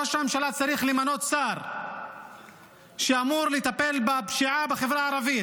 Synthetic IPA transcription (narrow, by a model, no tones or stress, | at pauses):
oʃamʃalat͡saɾiχlemano̞t̪t͡saʁ | ʃeamuʁlet̪ape̞lbapʃiʕabeχevʁaːɾavi